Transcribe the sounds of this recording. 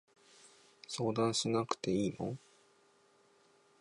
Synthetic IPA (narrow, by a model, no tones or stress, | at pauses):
so̞ːd̪ãɰ̃ɕinakɯ̟̥t̪e̞iːmõ̰ŋ